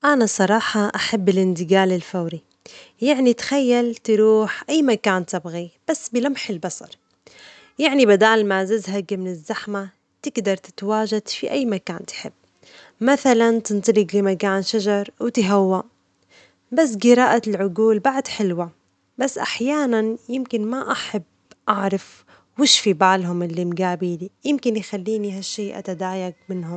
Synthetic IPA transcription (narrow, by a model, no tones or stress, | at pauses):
ʔanasˤɑɾˤɑːħɑʔaħabːɪlʔɪnd̪ɪɡaːlɪlfawɾi | jaʕnit̪xajːalt̪ɾuːħʔajːmakaːnt̪ɪbɣib̥asːbɪlamħɪlbɑsˤɑ̰ɾˤ | jaʕnibad̪aːlmazazɦaɡmɪnɪzːaħma | t̪ɪɡd̪ɑɾˤt̪ɪ̥t̪waːʒad̪fiʔajːmakaːnt̪ħɪbː | maθalant̪ɨnt̪ˤɑlɪɡlimakaːnʃaʒɑɾˤwt̪ɪɦawːa | bas̬ːɡɪɾaːʔalʕʊɡuːlbaʕd̪ħɪlwa | basːʔa̰ħjaːnanjɪmkɪnmaʔaħab | ʔaʕɾˤɑf | wɪʃfibaʕlɦʊmʔɪlːimɡaːbiljɪmkɪnjxalːiːniɦaʃːiːʔa̰t̪ad̪aːjaɡ̚mɪnɦʊm